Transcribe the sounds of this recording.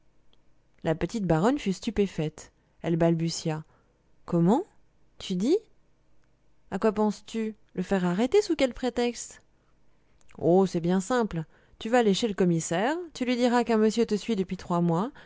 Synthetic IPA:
lapət̪it̪̚baʁɔnfyst̪ypefɛt̪ | ɛlbalbysja | kɔmɑ̃ | t̪ʰyd̪i | akwapɑ̃st̪y | ləfɛʁaʁet̪esukʲɛlpχet̪ɛkst̪ | osɛbjɛ̃sɛ̃pl | t̪yvaːleʃeləkɔmisɛʁt̪ylɥid̪iʁakɛ̃məsjøt̪əsɥid̪əpɥit̪χwamwa

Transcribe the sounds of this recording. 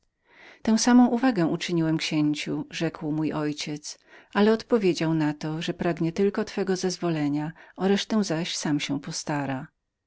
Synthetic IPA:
t̪ɛ̃w̃samɔ̃w̃ʔuvaɡɛ̃ut͡ʂɘɲiwɛmkɕeɲt͡ɕuʐɛkwmujʔɔjt͡ɕɛt̪s | alɛɔt̪pɔvʲjed͡ʑawnat̪ɔʐɛpɾaɡɲɛt̪ɘlkɔt̪fɛɡɔzɛzvɔlɛɲaɔɾɛʂt̪ɛ̃zaɕsamɕɛpɔst̪aɾa

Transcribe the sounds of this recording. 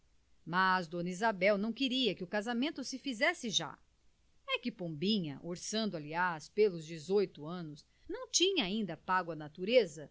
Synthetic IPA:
mazd̪õnizabɛwnɐ̃w̃kɪɾiɐkɪʊkazamẽnt̪ʊsɪfizɛsɪʒa̰ | ɛkɪpõmbĩɲɐ̰ʔoɾsɐ̃nd̪ʊaliaspelʊzd͡ʒɪzojt̪ʊɐ̃nʊs | nɐ̃w̃t͡ʃĩɲɐaĩnd̪ɐpaɡʊɐnat̪uɾezɐ

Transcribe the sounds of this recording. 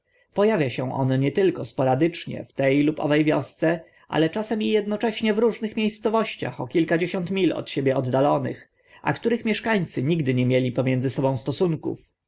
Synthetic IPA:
pɔjavʲjaɕɛ̃ʔɔ̰nɲɛt̪ɘlkɔspɔɾad̪ɘt͡ʂɲɛ̰ft̪ɛjlupɔ̰vɛjvʲjɔst̪sɛ | ʔa̰lɛt͡ʂasɛmijɛd̪nɔt͡ʂɛɕɲɛvɾuʐnɘxmʲjejst̪sɔvɔɕt͡ɕa̰xɔkʲilkad͡ʑeɕɔnt̪mʲilɔ̰t̪ɕebʲjɛɔd̪ːalɔnɘ̰x | ʔa̰kt̪uɾɘxmʲjɛʂkaɲt̪sɘɲiɡd̪ɘɲɛmʲjelʲipɔmjɛnd̪zɘsɔbɔ̃w̃st̪ɔsuŋkṵf

